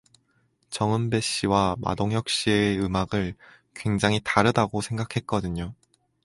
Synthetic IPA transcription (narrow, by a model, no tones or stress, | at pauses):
t͡ɕʌŋɯnbe̞ɕ͈iwama̰doŋjʌk̚ɕ͈ie̞ɯmaɡɯɭ | kwe̞ŋd͡ʑaŋɦitaɾɯdaɡosʰe̞ŋɡakʰe̞t̚k͈ʌdɯɲo